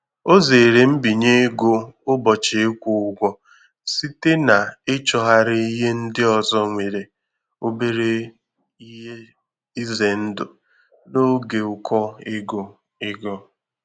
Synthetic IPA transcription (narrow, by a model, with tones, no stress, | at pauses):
o˦ze˨ɾe˨m̩˦bi˨ɲe˦ɡo˦ʊ˦bɔ˨t͡ʃe˨e˦kʷu˨ʊ˨ɡʷɔ˦ | si˦te˦na˨ɪ˦t͡ʃɔ˨ɦa˦ɾɪ˦i˦ɦe˦n̩˦dɪ˦ɔ˨zɔ˦ŋʷe˨ɾe˨ | o˦be˦ɾe˦ | i˦ɦe˦ | i˦ze˨n̩˦dʊ˨ | no˦ɡe˨ʊ˨kʰɔ˦ɪ˦ɡo˨ | ɪ˦ɡɔ˦